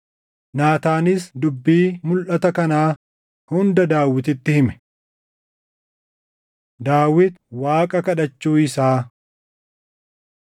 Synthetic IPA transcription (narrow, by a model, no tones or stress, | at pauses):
naːt̪aːnɪsd̪ʊbːiːmʊlʔɐt̪ɐkɐnaː | hʊnd̪ɐd̪aːwɪt̪ɪt̪ːɪhɪmɛ̥ | d̪aːwɪt̪waːkʼɐkɐᶑɐt͡ʃːuːɪsaː